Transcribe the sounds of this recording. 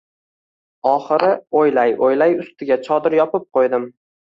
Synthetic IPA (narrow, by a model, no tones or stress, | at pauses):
ɒχɨɾɪojlajojlajʊst̪ɪɡʲat͡ʃʰɒd̪ɪɾjɒpɪp̚qʰojd̪ɪm